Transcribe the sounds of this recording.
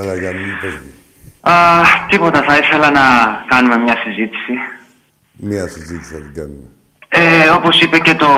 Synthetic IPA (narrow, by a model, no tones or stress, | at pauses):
ɐlɐjanipei | ɐt̪ipo̞t̪ɐθɐiθe̞lɐnɐkɐnume̞mɲɐsizit̪i̥si | miɐsizit̪isɐt̪iɡɐnume | eo̞po̞sipe̞ce̞t̪o̞